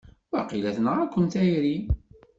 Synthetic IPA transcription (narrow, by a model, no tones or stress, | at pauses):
wæqilæθənʁækʷːənt̪æjɾi